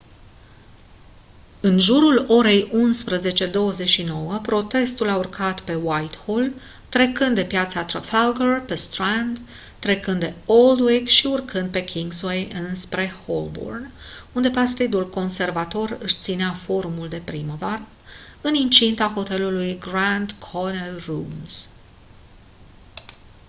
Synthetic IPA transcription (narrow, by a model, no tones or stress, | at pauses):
ɨnʒuɾulo̞ɾe̞junspɾəze̞t͡ʃe̞d̪o̞wəze̞ʃino̞wəpɾo̞t̪e̞st̪ulaurkʰat̪pe̞wajt̪hol | t̪ɾe̞kɨnd̪d̪e̞pjat̪sat̪ɾafaɡərpe̞st̪ɾand̪ | t̪ːɾe̞kɨnd̪d̪e̞o̞ld̪weɡʃiurkʰɨnd̪̚pe̞kʰʲiŋɡzwejɨnspɾe̞ho̰lbo̰rnund̪e̞part̪id̪ulko̞nse̞rvat̪o̞rɨʃt̪sineafo̞ɾumuld̪e̞pɾiməvaɾə | ɨnint͡ʃint̪axo̞t̪e̞lulujɡɾand̪kʰonelrums